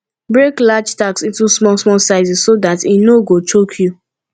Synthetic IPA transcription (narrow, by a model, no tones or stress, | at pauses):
bɹeklad͡ʒtaksĩntusmɔlsmɔsaɪzissodatinoɡot͡ʃokʰju